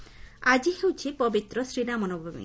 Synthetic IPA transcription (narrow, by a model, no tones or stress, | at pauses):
ad͡ʒiɦewt͡ʃʰipɔbit̪ɾɔsɾinamɔnobʱɔbḭ